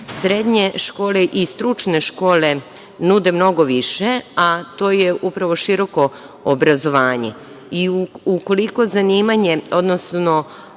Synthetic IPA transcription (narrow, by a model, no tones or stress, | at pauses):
sɾe̞d̪ɲe̞ʃko̞ːle̞ʔist̪ɾut͡ʃne̞ʃko̞ːle̞ | nud̪e̞mno̞ɡo̞ʋiʃe̞at̪o̞ːjeʔupɾaʋo̞ʃiɾo̞ko̞ː | bɾazo̞ʋaːɲḛ | iuuko̞liko̞zaniːmaɲe̞od̪nosno̞